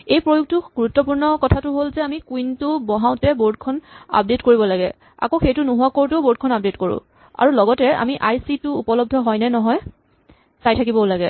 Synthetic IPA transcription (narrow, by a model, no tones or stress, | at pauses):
ejpɹojuk̚tʊɡuɹutːɔpuɹnɔkɔtʰatʊɦolzɛamikwintʊbɔɦaʊ̃tɛboɹd̚kʰɔna̰p̚detkoɹibɔlaɡɛ̰ | a̰koxejtʊnuɦuakoɹtʊboɹd̚kʰɔnap̚detkoɹʊ̰̃ | a̰ɹulɔɡɔtɛa̰miʔajsitʊːpɔlɔb̚dʱɔɦɔjnɛnɔɦɔj | sajtʰakibɔlaɡɛ̰